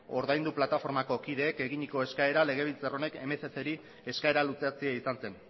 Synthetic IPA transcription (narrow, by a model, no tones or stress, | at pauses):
o̞ɾðajnd̪uplat̪afo̞ɾmako̞kiðe̞ːke̞ɣiɲiko̞e̞skae̞ɾale̞ɣ̞e̞β̞ilt͡saro̞ne̞ke̞me̞sese̞ɾi | e̞skae̞ɾalut͡sat͡siaisanse̞n